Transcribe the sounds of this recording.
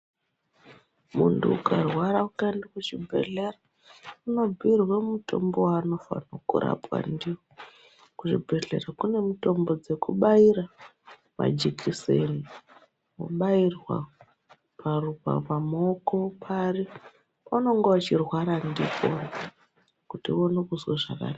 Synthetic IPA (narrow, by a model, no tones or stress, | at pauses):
muntʰuukarwaɾaukandikut͡ʃibʱe̞̰ɮe̞ra | uno̞b͡vʱiirwemutʰo̞̰mbowano̞fa̰nokṵɾa̰pwa̰ndiwo | kuʐibʱe̞ɮe̞̰rakune̞muto̞mbo̞d͡ze̞kuɓaiɾa | ma̰d͡ʒikʰiseni | wo̰ɓairwa̰ | parupa̰pamoko̞pʰari | ano̞ŋɡwat͡ʃirwaɾandiko̰na | kutionekuzwaʐaka̰na